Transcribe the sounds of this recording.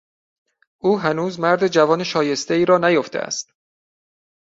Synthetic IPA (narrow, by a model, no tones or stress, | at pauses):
ʔuːɦænuːzmæɾd̪ed͡ʒævɒːneʃɒːje̞st̪eiːɾɒːnæjoft̪ʰḛæ̰st̪